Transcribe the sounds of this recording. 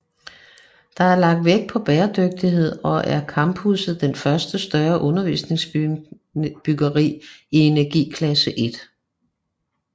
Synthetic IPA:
d̥ɑ̈æɐlɑ̈ɡ̥̚d̥ʋeɡ̥̚pʰɒ̽b̥ɛːɐd̥øɡ̥̚d̥iɦe̝ð̞̰ˠɒ̽ʔæɐkʰɑ̈mb̥husð̞̩ˠd̥enfɶɐsd̥əsd̥ɶɐʔɔ̽nɐʋḭsne̝ŋs | b̥yɡ̥ɐʁḭːie̝næɐɡ̥ḭːkʰlæsəʔe̝d̥

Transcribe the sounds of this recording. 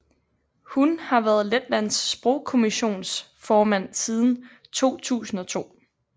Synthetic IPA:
hunhɑ̈ʋæːɐð̞̩ˠled̥læn̰sːb̥ʁɔʊ̰kʰo̝miɕo̝̰ːns | fɒːmæn̰sið̞ˠn̩ | t͡sʰo̝̰ːt͡sʰṵːsn̩ɒ̽t͡sʰo̝̰ː

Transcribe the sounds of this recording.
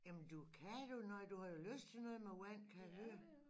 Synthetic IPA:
jæmnd̥ukʰæd̥unɒɪd̥uhɑ̈jo̝løsd̥̚t͡sʰenɔ̽ːð̩ˠmewæn̰kʰælø

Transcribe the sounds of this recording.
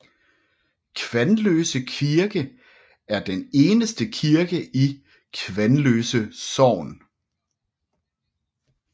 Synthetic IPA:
kʰʋænløːsəkʰiɐɡ̥ə | æɐd̥ene̝ːnəsd̥əkʰiɐɡ̥əʔi | kʰʋænløːsəsɒʊ̰n

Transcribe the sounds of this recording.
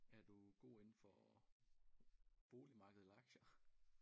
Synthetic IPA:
æɐd̥uɡ̥o̝̰ːe̝nn̩fɒ | b̥o̝ːlimɑ̈ːɡ̥əð̩ˠlˠɑ̈ɡ̥ɕɐ

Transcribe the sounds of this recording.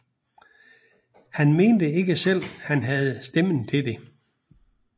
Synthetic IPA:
hænme̝ːnd̥əe̝ɡ̥əsel̰hænɦæð̞̩ˠsd̥em̰n̩t͡sʰe̝d̥e̝

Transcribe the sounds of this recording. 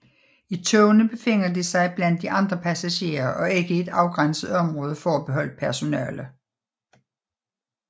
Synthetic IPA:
it͡sʰɔʊnəb̥e̝fe̝ŋ̰ɐd̥isɑ̈ɪb̥læn̰d̥ːiʔɑ̈nd̥ʁɐpʰæsæɕe̝̰ːɐʔɒ̽e̝ɡ̥əe̝d̥ɑ̈ʊɡ̥ʁan̰səð̩ˠɒ̽mʁɔ̽ːð̞ˠəfɒæb̥e̝ɦɒ̽l̰əpʰæɐso̝nɛ̰ːlə

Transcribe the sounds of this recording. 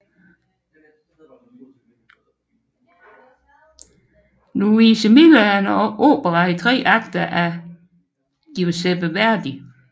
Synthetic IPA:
nuiːsəmiləænɒʔo̰ːb̥əʁɑit͡sʰʁɛ̰ːʔɑ̈ɡ̥d̥ɐʔæ | ɡ̥iosebəʋæɐd̥i

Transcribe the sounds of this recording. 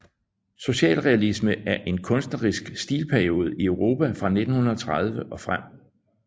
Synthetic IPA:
so̝ɕɛ̰ːlʁɛælisməʔæɐʔe̝nkʰɔ̽nsd̥nəʁisɡ̥sd̥ḭːlpʰæɐio̝ːð̞̩ˠiøʊʁo̝ːpʰæfʁɑ̈ne̝d̥n̩hunɐɒ̽t͡sʰʁað̞ˠʋəʔɒ̽fʁam̰

